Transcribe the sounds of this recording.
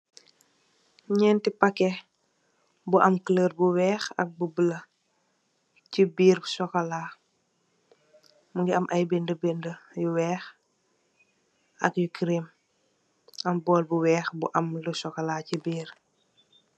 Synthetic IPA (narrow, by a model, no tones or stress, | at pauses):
ɲɛːntipakɛ | buʔɐmkələːɾbuwɛːxɐ̰k̚bubələ | cibiːrbusɔkɐlaː | muŋɡiɐmʔɐjbɛndəbɛndəjuwɛːx | ɐ̰kjukɾim | ɐmbɔːlbuwɛːxbuʔɐmlusɔkɐlaːcibiːr